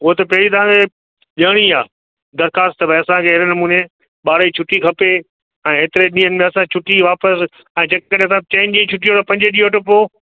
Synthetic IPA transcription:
ʊɦot̪ɐpɐɦɪɾit̪ɐʋ̤ãkʰe | ʄaːɽ̃iaː | d̪ɐɾxaːst̪ɐbʱɐɐsãkʰeɦɪɾnɐmuːne | ɓaːɾit͡ɕʰʊʈikʰɐpe | ɛ̃ːɦeːt̪ɪɾeɗĩːənɪ̆mẽɐsãt͡ɕʰʊʈiʋaːpəs | ɛ̃ːd͡ʑɐkːkɐɽẽɐsãt͡ɕẽːnɗẽt͡ɕʰʊʈijot̪ɐpɐ̃ɲd͡ʑeɗiːoʈʊpo

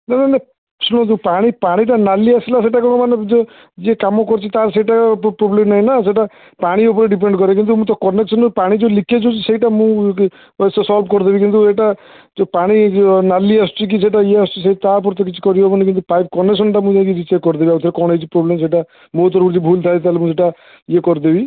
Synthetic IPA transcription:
nanane | suñɔ̃t̪upaɽ̃ipaɽ̃iʈanaliasilaseiʈakɔɽ̃ɔmanet̪o | d͡ʒekamɔkɔɾt͡ʃʰit̪aɾseiʈapɾoblemnaɦinaseʈ̬a | paɽ̃iop̬ɔɾeɖip̬eɳɖɡɔɾek̬int̪̬umũt̪ɔkɔneksɔnpaɽ̃id͡ʒolikʰet͡ʃʰut͡ʃʰiseiʈamũ | ssɔlbkɔɾd̪ebikint̪ueʈa | d͡ʒopaɽ̃inaliast͡ʃʰik̬is̬eʈajeast͡ʃiset̪ap̬ɔɾt̪ɔkit͡ʃʰi̥kɔɾijobɔnik̬int̪upajp̚kɔnes̬ɔnʈamũd͡ʒakid͡ʒit͡ʃekːɔɾd̪ebiaut̪ʰeɾekɔɽ̃et͡ʃʰipɾoblems̬eiʈa | mot̪ɔɾbuɾd͡ʒ̪ibʱult̪ʰaet̪alemũseʈa | jekɔɾd̪ebi

